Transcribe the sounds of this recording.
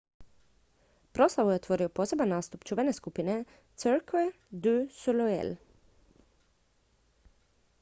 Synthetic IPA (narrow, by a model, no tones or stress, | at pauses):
pɾoslˠaʋueot̪ʋoɾɪoposebannaːst̪upt͡ʃuːʋɛneskupɪnɛ | t̪søɾkɛ | d̪ʉsɔlɔɛ̰l